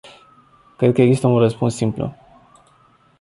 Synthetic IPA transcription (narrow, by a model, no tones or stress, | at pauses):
kɾed̪kəeɡzist̪əunrəspunsːimplṵ